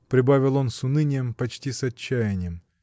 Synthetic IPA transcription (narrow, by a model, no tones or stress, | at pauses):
pɾʲɪbavʲɪlˠo̞nsʊnɨnʲɪjəmpɐt͡ɕtʲisɐt͡ɕːæjɪnʲɪjəm